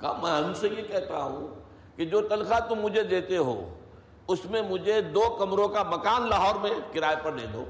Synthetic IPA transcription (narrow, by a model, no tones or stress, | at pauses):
ka̰mɛ̃ɦɐmsejekɛɦt̪a̰ɦṵ̃ | kid͡ʒoːt̪ɐlkat̪ʊmːʊd͡ʒʱed̪eːt̪eɦo̰ː | ʊsmẽmʊd͡ʒʱed̪oːkɐmɾõkamɐkaːnlɐɦɔːɾmẽkɪɾaːepɐɾd̪ḛːd̪o̰ː